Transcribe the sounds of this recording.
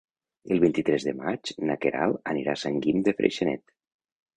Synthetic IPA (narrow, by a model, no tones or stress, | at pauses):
elˠβint̪it̪ɾɛzðəmat͡ʃnakeɾalˠəniɾasəŋɡimd̪efɾḛʃenɛ̰t̪